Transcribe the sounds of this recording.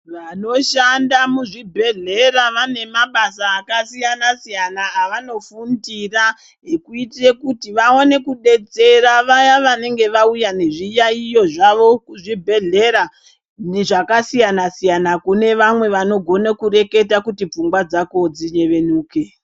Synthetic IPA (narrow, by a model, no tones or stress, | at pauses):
ʋano̞ʃandamuʐibʱe̞ɮe̞ɾaʋane̞maɓasaːkasijanasijanaːʋano̞fundira | ekuitre̞kutiʋao̞ne̞kuɗe̞t͡se̞raʋajaʋane̞ŋɡe̞ʋaujane̞ʐijaijo̞ʐaʋo̞kuʐibʱe̞ɮe̞ɾa | neʐakasijanasijanakune̞ʋamwe̞ʋano̞ɡʱo̞nekuɾe̞ke̞t̬akutip͡fuŋɡwad͡zako̞d͡ziɲe̞ʋe̞nuːke̞